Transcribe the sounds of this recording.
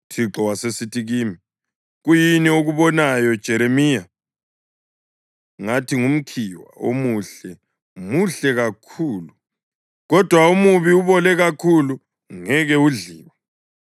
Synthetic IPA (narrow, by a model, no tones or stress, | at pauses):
tʰiǃɔwasesitʰiɣiːmi | ɣujinioɣuβɔnajɔd̥ʒ̥ʱɛɾemiːja | ŋatʰiŋum̩kʰiwa̰o̰muɬɛ | muɬɛɣakʰuːlu | ɣɔd̥ʱwaumuβiuβɔlɛɣakʰulu | ŋɛɣɛuɮiːwa